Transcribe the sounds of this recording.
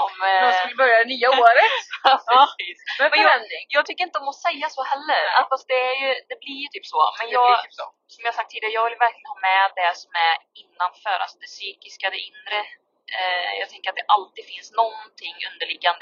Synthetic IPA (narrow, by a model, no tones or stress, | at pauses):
ɔmlbœɾjad̪ɛnyːaoːɾət̪ | vɛnɪjɑːɡt̪ʰʏkːəɾɪnt̪ədɔmɔsɛjːasohɛlːəɾa̰fast̪̚d̪ɛæɾjɵd̪ɛblɪɾjt̪ʰyːpsɔmɛnjɑːɡ | sɔmjɑhaɾsak̚t̪ʰːiːd̪ɪɡɾjɑːɡvɪljəvæɾkʰlɪɡənhɑːmɛd̪ɛsɔmæɾɪnːanfœːɾʔa̰sd̪ɛsyːkɪskad̪ɛʔɪnɾə | jɑːɡt̪ʰɛŋkəɾat̪̚d̪ɛʔalt̪iːɡd̪fɪnsnɔnt̪ʰɪŋːɵ̰nd̪əɭɪɡːand̪ə